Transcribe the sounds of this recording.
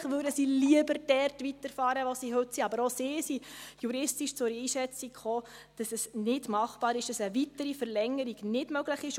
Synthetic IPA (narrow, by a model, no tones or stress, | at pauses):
χʋʉːdəsiliəbəɾd̥ɛrtʋitəɾfɑːɾəʋosiɦɵtsiɑbəɾosɪːsijuɾɪstiʃt͡sʊɾiːʃɛt͡sikχoː | d̥ɑsɛsnɪdmɑχpɑːɾɪʃd̥ɑsəʋitəɾifəɾlɛŋːəɾiɡnɪdmœɡləχɪʃ